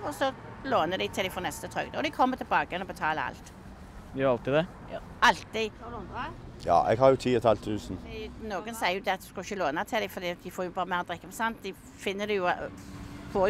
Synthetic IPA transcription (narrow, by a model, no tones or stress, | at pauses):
ɔsɔ | loːnəd̪ɛt̪ʰɪld̪ɛɪfɔnɛst̪ət̪ʰʁœ̰ɡd̪əɔd̪ɪkʰɔmːət̪ʰɪlbɑːɡəɛnɔbət̪ʰɑːlə̰ɑ̰lt̪ː | ɑlt̪ɪd̪ɛ | ɑlt̪ːɪ | jɑ̰ːʔɛ̰ɡhɑɾjʊt̪ʰiːɛt̪hɑlt̪ʰʉːsnnoːɡənsæɪəjʊd̪ɛɑt̪d̪ʉskɑɪçːəloːnɑt̪ʰɪlɛɪfɔʁd̪iːɑt̪̚d̪ɪfoːɾjʊbɑːʁəmæːʁɔd̪ʁɛkːəmɛsɑnt̪d̪ɪ | fɪnːəd̪ɛjʊ | foːj